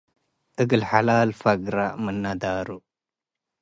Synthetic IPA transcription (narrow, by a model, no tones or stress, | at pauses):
əɡəlħalaːlfaɡɾamənːad̪aːɾu